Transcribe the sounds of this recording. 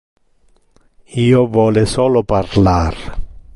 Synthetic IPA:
iːovɔːlɪsɔːloparlar

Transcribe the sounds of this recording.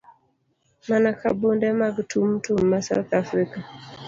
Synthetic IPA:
manakʰabundɛmaɡtʰum̩tum̩ːasa̰wθafɾika

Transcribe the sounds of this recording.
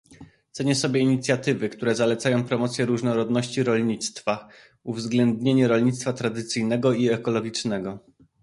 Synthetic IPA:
t̪sɛɲɛsɔbʲjɛiɲit̪sʲjat̪ɘvɘkt̪uɾɛzalɛt̪sajɔ̃w̃pɾɔmɔt̪sʲjɛɾuʐnɔɾɔd̪nɔɕt͡ɕiɾɔlɲit̪st̪fa | uvzɡlɛnd̪ɲeɲɛɾɔlɲit̪st̪fat̪ɾad̪ɘt̪sɘjnɛɡɔiɛkɔlɔɡʲit͡ʂnɛɡɔ

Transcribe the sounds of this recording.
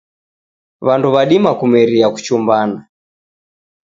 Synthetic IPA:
βanduβaɗimakumɛɾiaku̥t͡ʃumbana

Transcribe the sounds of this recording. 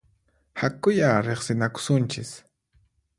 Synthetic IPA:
hakʊjaɾeχsɪnakʊ̥sʊnt͡ʃɪs

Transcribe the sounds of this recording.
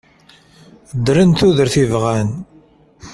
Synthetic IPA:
d̪ɾənt̪uðəɾθivʁæn

